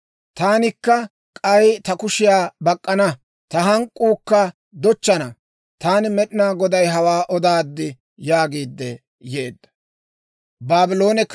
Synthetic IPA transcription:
t̪aːnɪkːɐ | kʼɐjt̪ɐkʊʃɪjaːbɐkʼːɐnɐ | t̪ɐɦɐŋkʼːuːkːɐ | d̪ɔt͡ʃːɐnɐ | t̪aːnɪmɛɗɪnaːɡɔd̪ɐjɦɐwaːʔɔd̪aːd̪ːɪ | jaːɡiːd̪ːɛ | je̞ːd̪ːɐ̥ | baːbɪlo̞ːnɛkː

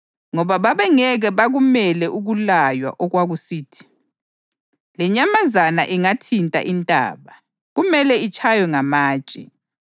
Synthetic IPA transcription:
ŋɔβaβaβɛŋɛɣɛβaɣumɛlɛʔuɣulajwa̰ʔɔɣwaɣusiːtʰi̥ | lɛɲamazana̰ʔiŋatʰintʼa̰ʔintʼa̰ːβa | ɣumɛlɛit͡ʃʼʰajɔŋamḁːt͡ʃʼɛ̰

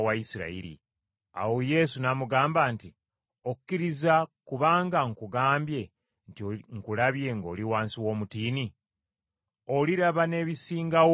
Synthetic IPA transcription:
waisiɾa̰ḭɾḭ | a̰woje̞ːsunamuɡaːmbanti | oku̥kːiɾizakuβaːŋɡaŋkuɡaːmbje̞ | ntoŋkulaβje̞ŋɡo̞ːliwaːnsiwo̞ːmutiːni | o̞liɾaβane̞ːβisiːŋɡaw

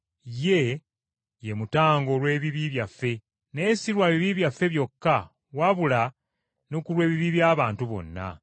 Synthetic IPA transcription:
je̞ | je̞mutaːŋɡo̞lwe̞ːβiβiβjafːe̞ | ne̞ːsiɾwaβiβiβjafːe̞βjo̞kːa | waβula | nokulwe̞ːβiβiβjaːβaːntuβo̞̰nːa̰

